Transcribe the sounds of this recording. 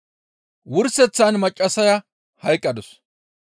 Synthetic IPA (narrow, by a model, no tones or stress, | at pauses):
wʊɾsɛt͡sːanmɐt͡ʃʼːɐsɐjɐ | hɐjkʼːɐd̪ɔs